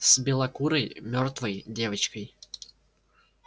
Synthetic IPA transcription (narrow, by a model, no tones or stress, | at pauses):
sbʲɪlˠɐkuɾɐjmʲɔɾt̪ʋɐjd̪ʲeːʋɐt͡ʃkɐj